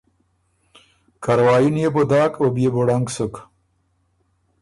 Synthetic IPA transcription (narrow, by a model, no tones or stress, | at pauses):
kʰaɾwɑːjunjebod̪ɑːkobjeboɽaŋɡsuk